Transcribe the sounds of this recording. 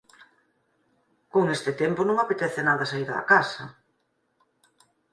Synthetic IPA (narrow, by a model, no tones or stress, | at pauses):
koŋest̪ɪt̪emponũŋapet̪ɛθenaðɐsaiɾða̰kasɐ